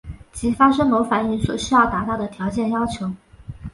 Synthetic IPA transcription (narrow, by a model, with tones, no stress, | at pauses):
t͡ɕʰi˧˥fa˥ʂɤ˥ŋmo˧˥ʊfa˨˩ny˥˩nswɔ̰˨˩ɕy˥jɑ˥˩ʊt̪a˧˥t̪ɑ˥˩ʊd̪ə˩t̪ʰjɑ˧˥t͡ɕjɛ˥˩njɑ˥ʊt͡ɕʰjo˧˥ʊ